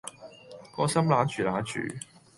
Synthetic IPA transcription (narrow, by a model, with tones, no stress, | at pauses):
kɔː˨˥sɐ˥mlaː˨˥t͡ʃʰyː˨˩laː˨˥t͡ʃʰy̰ː˨˩